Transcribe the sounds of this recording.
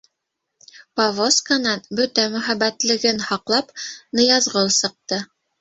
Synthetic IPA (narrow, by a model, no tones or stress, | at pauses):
pɐvoskanɑnbɵt̪æmɵ̆χæbæt̪lɘ̆ɡɘnhɑqlˠɑpnɤ̆jɑzʁɤlˠsɤ̆q̚t̪ɤ